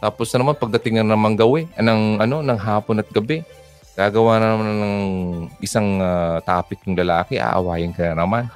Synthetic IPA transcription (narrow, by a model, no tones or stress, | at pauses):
t̪aːposnɐmanpɐɡ̚d̪ɐt̪ɪŋɐnnɐmaŋɡɐwɛnɐŋʔɐno̞nɐŋɦaːponɐt̪̚ɡɐbɛ | ɡ̥aːɡɐwaːnɐnɐmannɐŋʔɪsaŋat̪aːpɪk̚jʊŋlɐlaːkɪʔa̰ʔɐ̰waːjɐnkɐnanɐman